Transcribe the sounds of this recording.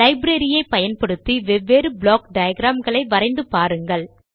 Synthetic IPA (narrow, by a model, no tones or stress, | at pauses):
lɐɪbɾɐɾɪjɐɪpɐjɐnpɐɽɯt̪ːiʋɛʋːeːɾɯbɭoːk̚ɖɐjɐɡɾaːmɡɐɭɐɪʋɐɾɐɪnd̪ɯpaːɾɯŋɡɐɭ